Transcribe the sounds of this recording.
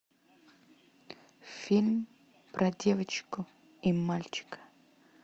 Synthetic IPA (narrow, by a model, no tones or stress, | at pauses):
filʲm | pɾɐdʲɛvət͡ʃkʊ | imalʲt͡ʃɪ̥kɐ̥